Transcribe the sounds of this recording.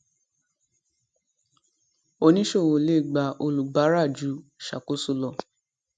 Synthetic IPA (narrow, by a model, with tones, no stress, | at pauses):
o˧nĩ˦ʃo˦˨wo˨le˦˨ɡ͡ba˨ʔo˧lu˨ɡ͡ba˨˦ɾa˦˨d͡ʒu˨˦ʃa̰˨ko˨˦su˧lɔ˨